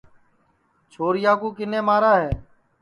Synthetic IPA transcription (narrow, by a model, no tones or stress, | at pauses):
t͡ʃʰoːɾjaːkuːkɪnẽːmaːɾaːɦeː